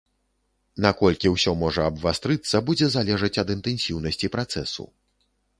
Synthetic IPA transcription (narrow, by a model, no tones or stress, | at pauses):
nakɔlʲkʲiwsʲɔmɔʐɐɐbvast̪ɾɨt̪sːɐbud͡zʲɛzalʲɛʐɐt͡sʲɐd̪ɨnt̪ɛnsʲiwnɐsʲt͡sʲipɾat̪sɛsṵ